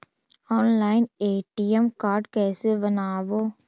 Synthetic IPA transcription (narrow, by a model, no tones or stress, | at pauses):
ɔːnlaːɪneːʈiəmkaːɾɖkɛːsebənaːʋoː